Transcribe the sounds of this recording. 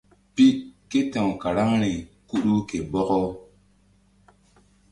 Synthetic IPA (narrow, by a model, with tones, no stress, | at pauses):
pi˦ʔke˦tɛ˨wka˨ɾa˦ŋɾi˨ku˦ɗu˦ke˨bɔ˦kɔ˦